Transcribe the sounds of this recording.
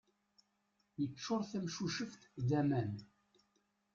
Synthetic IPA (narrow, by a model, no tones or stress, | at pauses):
jət͡ʃːʊɾˤθæmʃuʃəft̪ðæmæn